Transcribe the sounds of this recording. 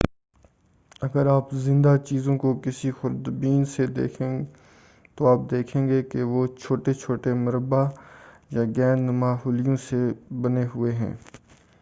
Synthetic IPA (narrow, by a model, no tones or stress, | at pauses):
ɐɡəɾaːpzɪ̃nd̪at͡ʃiːzõkokɪsixʊɾd̪biːnsed̪ḛːkʰẽː | t̪oaːp̚d̪eːkʰẽːŋɡekeʋoːt͡ʃʰoːʈet͡ʃʰoːʈemɐɾəba | jaːɡɛ̃ːnmaːɦuːlɪjõsebɐneɦʊeɦɛ̰̃ː